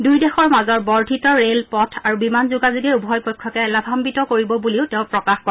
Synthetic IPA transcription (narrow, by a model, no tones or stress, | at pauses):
dujdɛxɔɹmazɔɹbɔɹdʱitɔɹelpɔtʰaɹubimanzuɡazuɡɛɹubʱɦɔjpojkʰːɔkɛlabʱambitɔkoɹibɔbuliʊteʊ̃pɹɔkaxkɔ